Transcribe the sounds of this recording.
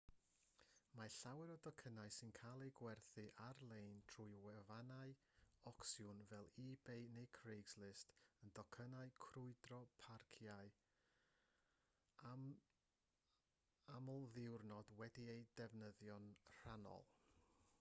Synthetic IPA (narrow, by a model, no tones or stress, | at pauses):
maɬawɛɾɔdɔkʰənaɨsɪnkʰalˠejɡwɛrθɨʔarlˠejntʰrujwɛvanaɨ | ɔksjʊnvɛlˠiːbejnejkʰrejɡzlɪstəndɔkʰənaɨkʰrʊɨdrɔpʰarkʰjaɨ | amɔlˠðɪwrnɔdwɛdiejdɛvnəðjɔnr̥anɔ̰lˠ